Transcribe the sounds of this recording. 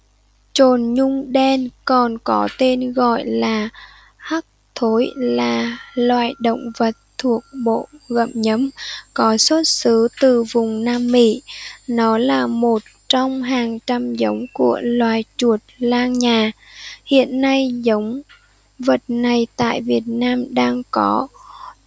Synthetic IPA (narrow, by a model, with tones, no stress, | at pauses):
t͡ɕo˨˩nɲʊ˧ŋ͡mɗɛ˧nkɔ˨˩nkɔ˨˦t̪e˧nɣɔ̰˧˨jlaː˨˩ | ha˦˥k̚t̪ʰo˨˦jlaː˨˩lwa̰ː˧˨jɗə̰˧˨wŋ͡mvə˨˩t̚t̪ʰu˨˩ək̚ɓo̰˧˨ɣə̰˧˨m̚ɲə˨˦mkɔ˨˦swə˦˥t̚sɨ˨˦t̪ɨ˨˩vʊ˨˩ŋ͡mnaː˧mːḭ˧˥˨nɔ˨˦laː˨˩mo˨˩t̚t͡ɕɔ˧wŋ͡mɦaː˨˩ŋt͡ɕa˧mzə˨˦wŋ͡mku˧˩əlwaː˨˩˨jt͡ɕu˨˩ət̚laː˧ŋɲaː˨˩hḭ˧˨ənːa˧jzə˨˦wŋ͡m | və˨˩t̚na˨˩jt̪a̰ː˧˨jvi˨˩ət̚naː˧mɗaː˧ŋkɔ˨˦